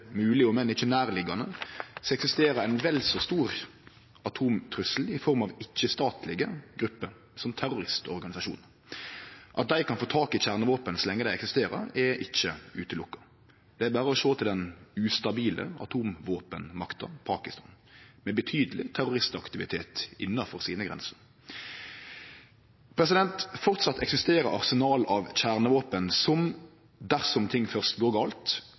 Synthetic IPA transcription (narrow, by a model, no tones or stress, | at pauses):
mʉːlɪɔmɛnːɪçːənæːɾlɪɡɑnəsɔɛksɪst̪eːɾɑæɪnʋɛlsɔst̪uːɾ | ɑt̪ʰuːmt̪ʰɾʉsl̩ɪfɔɾmɑʋɪçːəst̪ɑːt̪ʰlɪɡəɡɾʉpːəɾ | sɔmt̪ʰæɾʊɾɪst̪ɔɾɡɑnɪsɑʃṵːnə | ʔɑt̪̚d̪æɪkʰɑnfoːt̪ʰɑːkɪçæʁnəʋoːpənsɔlɛŋːəd̪æɪɛksɪst̪eːɾə̰ɾɛʔɪçːəʉːt̪əlʊkːɑ̥ | d̪̥ɛæɾbæːɾəɔʃoːt̪ʰɪld̪ɛnʉːst̪ɑbiːlə̰ɑ̰t̪ʰuːmʋoːpənmɑkt̪ɑpʰɑːkɪst̪ɑ̰ːn | mɛbət̪ʰyːd̪əlɪ̰t̪ʰæɾʊʁɪst̪ɑkt̪ɪʋɪt̪ʰeːt̪ɪnːɑfɔʁsiːnəɡʁɛ̰nsə̥ʁ | pʰɾɛs̬ɪd̪ɛnt̪fɔʁt̪sɑt̪ːɛksɪst̪eːɾəɾɑ̰ʁsɛnɑːlɑʋçæʁnəʋoːpənsɔm | d̪æʁsɔmt̪ʰɪŋːfœʁst̪ɡoːɡɑːlt̪